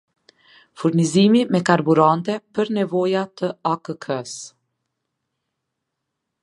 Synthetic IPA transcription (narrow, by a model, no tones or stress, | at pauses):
fuɾnizimimɛkaɾbuɾant̪ɛpəɾnɛvɔjat̪əakəkʰəs